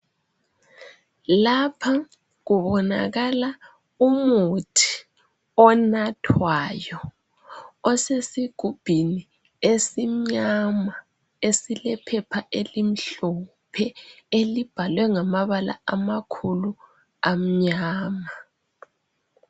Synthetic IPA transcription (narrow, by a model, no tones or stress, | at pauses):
lapʰa | ɣuβɔna̰ɣala | umutʰi̥ | ɔnatʰwajɔ | ɔsesiɡ̥ʱub̥ʱini | esim̩ɲama | esilɛpʰɛpʰaʔelim̩ɬɔ | pʰɛelib̥ʱalwɛŋamaβala̰amakʰulu | am̩ɲaːma